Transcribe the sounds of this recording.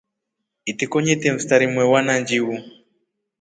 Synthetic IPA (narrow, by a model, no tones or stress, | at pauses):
itikɔɲɛtɛm̩staɾimwɛwanaɲd͡ʒiwu